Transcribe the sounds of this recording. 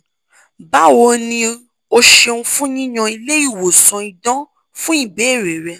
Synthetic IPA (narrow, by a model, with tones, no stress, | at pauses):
ba˦wo˧˦nĩ˧ | o˧ʃẽ˧ũ˧˦fũ˦ɲĩ˦ɲɔ̃˧i˧le˦i˦˨wo˨sɔ̃˧i˧dɔ̃˦ | fũ˦i˦˨be˨˦˨ɾe˨ɾɛ˧